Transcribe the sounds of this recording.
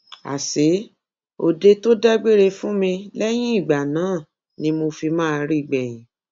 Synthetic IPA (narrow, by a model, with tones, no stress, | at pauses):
a̰˨se˨˦ | o˧de˧to˦dɛ˦ɡ͡be˦ɾe˧fũ˦mĩ˧lɛ˦j̃ĩ˦i˦˨ɡ͡ba˨nãː˨˦˨ | nĩ˧˦mo˧fi˧mãː˦˧ɾi˦˨ɡ͡bɛ˨j̃ĩ˨˦